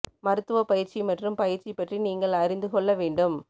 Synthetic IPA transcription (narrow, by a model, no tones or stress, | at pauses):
mɐɾɯt̪ːɯʋɐpɐjɪɾt͡ʃimɐʈrɯmpɐjɪɾt͡ʃipːɐʈriniːŋɡɐɭɐɾɪnd̪ɯkɔɭːɐʋeːɳɖɯm